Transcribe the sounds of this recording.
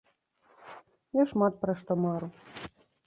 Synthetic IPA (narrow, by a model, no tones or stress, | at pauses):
jaʂmɑt̪̚pɾaʂt̪ɔmɑɾu